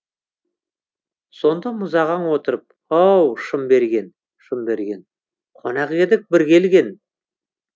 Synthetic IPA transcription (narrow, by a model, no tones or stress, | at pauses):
so̞nd̪ɑmʊzɑʁɑɴwo̞t̪əɾəp̚ | ɑwʃəmbe̞ɾɡʲe̞n | ʃəmbe̞ɾɡʲe̞n | qʰonɑqed̪ɪk̚bɪɾkʲʰe̞lɡʲe̞n